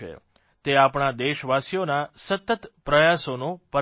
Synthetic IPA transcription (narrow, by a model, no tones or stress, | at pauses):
ḛ | t̪eapɳ̃ad̪eʃʋasijonasət̪ət̪pɾəjasonopə